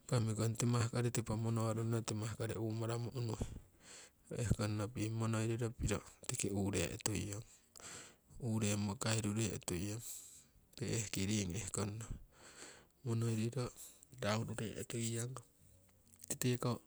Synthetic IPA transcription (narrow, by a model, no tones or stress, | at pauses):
pamikontemahkaɾetipamonoaɾonotemahkaɾeumaɾamoʔunuhe | oehkonnopimonojɾiɾopiɾo̰tikeuɾḛʔḛtuj̰oŋ | uɾemokaiɾuɾeo̰tujoŋpeehkiɾiŋehkonːo | monojɾiɾodauɾuɾḛʔetuiaŋo | titeka